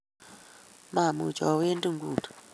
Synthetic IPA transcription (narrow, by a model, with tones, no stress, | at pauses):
ma˨mṵ˨t͡ʃɔ˨we˦ndʼu˦ŋɡuː˨tu̥˨